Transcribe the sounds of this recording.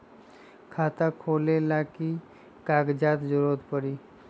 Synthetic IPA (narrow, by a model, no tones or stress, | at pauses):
kʰat̪akʰoːlelaki | kaɡd͡ʒat̪d͡ʒʊɾot̪pəɾi